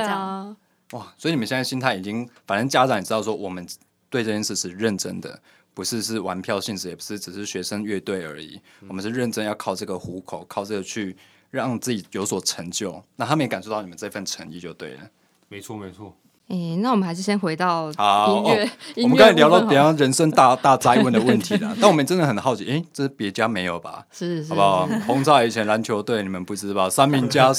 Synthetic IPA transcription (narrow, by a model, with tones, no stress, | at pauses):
wa˥˩swi˨i˨˩ə˨˦ɕjə˩ɕi˥nt̪ʰa˥˩ɪi˨˩t͡ɕi˦ŋfa˨nə˦˥nt͡ɕja˦˥ʈ͡ʂɑ˨˦ŋni˨˩ʈ͡ʂɻɑ˥˧ʊʂ̬wɔ˦˥wʔɔ˨˩mə˨˦n | t̪we˥˧ɪʈ͡ʂɤ˥˧t͡ɕjɛ˥˧nʂɻ̩˥˧ʂɻ̩˥˧ɻə˥˨˩nʈ͡ʂə̰˥ŋd̪ə̰˨ | pu˧˥ʂɻ̩˥˧ʂ̬ɻ̩˥˩wa˧˦˥npʰjɑ˥˧ʊɕi˥˧nʂɻ̩˥˩jɛ˨˩pu˧˦ʂɻ̩˥˩ʈ͡ʂɻ̩˨˩ʂɻ̩˥˩ɕɥɛ˧˥ʂə˦ŋɥɛ˥˧t̪we˥˩ɪə̰˞˧˥ḭ˨˩˦wɔ˨˩mə˦nʂɻ̩˥ɻə˥˩nʈ͡ʂə˧˥njɑ˥˧ʊkʰɑ˥˧ʊʈ͡ʂɤ˥˩ɡə˩xu˧˥˦kʰo˨˩ʊkʰɑ˥˧ʊʈ͡ʂɤ˥˩ɡə˩t͡ɕʰy˥˧ | ɻɑ˥˨ŋt͡sɹ̩˥˩t͡ɕi˨˩jo˧˥ʊswɔ˨˩ʈ͡ʂʰə˧˥ŋt͡ɕjo˥˨ʊna˥˩t̪ʰa˥mə˧jka˨˩nʂo˥t̪ɑ˥˩˨ni˨˩mə˦nt͡sa˥˧i˧fə˥˩nʈ͡ʂʰə˧˥ŋḭ˧˩t͡ɕjo˥˧ʊt̪wḛ˥˩ɪlə̰˩ | me˧˦ɪt͡sʰɔ˥˨me˧˦ɪt͡sʰwɔ˥˩ | e˥˩na˥˩wɔ˨˩mə˦na˧˦ɪʂ̬̩˥˩ɕjɛ˥nxwe˧˥ɪt̪ɑ˥˨ʊha˨˦˥mə˦ka˥ni˨ljɑ˧ʊt̪ɑ˥˩ʊə˨˩jɑ˥˩ɻə˧˥nʂə˥na˥˧t̪a˥˧t͡sa˥ɪwə˥˩nd̪ə˨wə˥˩nt̪ʰi˨˧˥lɐ̰˨na˥˩nwmə˦˨˩ʈ͡ʂə˥nd̪ə˨xə˨˩nxɑ˥˩ʊt͡ɕʰi˨˦ʔe˥˩ɪʈ͡ʂə˥˩pjɛ˧˥t͡ɕja˦me˧˥ɪjo˨˩ʊba̰˨˩ʂ̩˥˩˨a˨pʰɔ˧˥ŋt͡sʰɑ˥˩i˨˩t͡ɕʰjɛ˧˥nɻa˧˦˥nt͡ɕʰjo˧˥ʊt̪we˥˩ɪni˨˩mə˦npu˥˩ʈ͡ʂɻ̩˥ba˨˩sa˥nmi˧˥ŋt͡ɕja˦